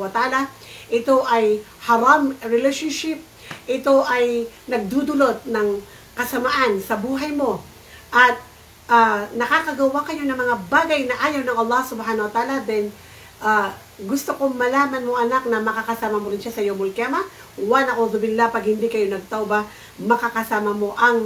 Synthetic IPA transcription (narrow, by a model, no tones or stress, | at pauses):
wɐt̪ʔaːla | ʔɪt̪o̞ʔɐj | hɐɾamɹɪlɛʃonʃɪp̚ | ʔɪt̪o̞ʔɐjnɐɡ̚d̪ud̪ʊlot̪̚nɐŋ | kɐsɐmaʔansɐbuːɦɐjmo̞ | ʔɐt̪̚ | ʔanɐkaːkɐɡɐwakɐjo̞nɐŋmɐŋabaːɡɐjnɐʔaːjɐwnɐŋɐlˠːɑhsʊbhaːnɐwɐt̪aːlad̪ɛn | ʔaː | ɡʊst̪okomɐlaːmɐnmoʔɐnak̚nɐmɐkakɐsaːmɐmoɾɪnʃasɐjomʊlkjaːmɐ | wanɐʔoðʊbɪnlapɐɡhɪnd̪ikɐjo̞nɐɡ̚t̪awbɐ | mɐkakɐsaːmɐmo̞ʔɐŋ